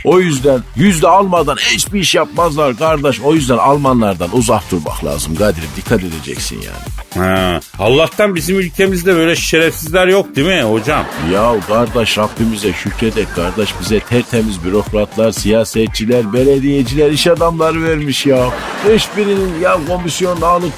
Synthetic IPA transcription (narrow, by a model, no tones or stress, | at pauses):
o̞jyzd̪ænjyzd̪ɛalˠmad̪anhit͡ʃbiiʃjapmazlˠaɾɡaɾd̪aʃo̞jyzd̪ænalˠmanlˠaɾd̪anuzahd̪uɾma̰xlˠa̰ːzɯmɡad̪iɾid̪ikʰːat̪e̞d̪ed͡ʒɛ̰csḭnja̰ːnɪhɛhalˠːaht̪anbizimylʲcʰemizd̪ɛbøjlʲɛʃi̥ʃeɾɛfsizlʲæɾjok̚d̪imiho̞d͡ʒamjawɡaɾd̪aʃɾabːimizɛʃycɾed̪ɛc̚ʲkʰaɾd̪aʃbizɛt̪ʰɛɾt̪ʰemizbyɾo̞kɾat̪ʰlˠaɾsijaːsɛt̪̚t͡ʃʰilʲæɾbeɾed̪ijed͡ʒilʲæɾiʃad̪amlˠaɾɯvɛɾmiʃjaw | hɛʃbiɾininjawkʰo̞misjo̞nd̪aːlˠɯk